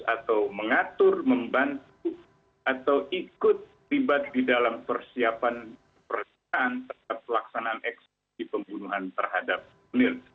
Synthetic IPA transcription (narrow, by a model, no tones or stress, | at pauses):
a̰t̪awməŋat̪ʊrməmbant̪u | ʔat̪awʔikʊt̪̚ | libat̪̚didalampərsiapan | pərə | aːnt̪əaap̚əlaksanaːnʔɛks | dipəmbunuɦant̪ərɦadap̚ | unɪl